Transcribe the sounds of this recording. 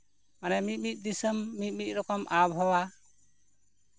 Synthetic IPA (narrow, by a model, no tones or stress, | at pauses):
manɛmit̪̚mit̪̚ˀd̪isəmːit̪̚mit̪̚ˀɾɔkɔmʔabɦɔwa